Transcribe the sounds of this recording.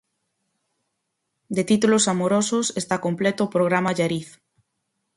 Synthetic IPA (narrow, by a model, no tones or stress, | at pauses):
d̪et̪it̪ulosamoɾososest̪akomplet̪oːpɾoɣɾamaʎaɾiθ